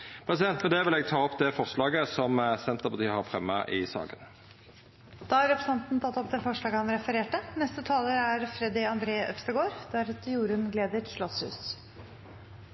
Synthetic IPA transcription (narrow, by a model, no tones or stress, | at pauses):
pʰɾɛsɪd̪ɛnt̪mɛnd̪ɛʋɪlɛːɡ̚t̪ʰɑːɔpd̪ɛfɔʁslɑːɡəsɔmsɛnt̪əpɑt̪iːəhɑɾfʁɛmːɑ̰ʔɪsɑ̰ːɡə̰n | d̪̥ɑːɑɾɛpɾəsɑnt̪n̩t̪ʰɑt̪ːɔpːd̪ɛfɔʂɭɑːɡəhɑnɾɛfəɾeːʈənɛst̪ət̪ʰɑːləɾæɾfɾɛd̪ɪɑnd̪ɾeːʔœ̰pst̪əɡoːɾd̪̥æɾɑt̪juːɾənɡleːd̪əʂɭɔshʉ̰ːs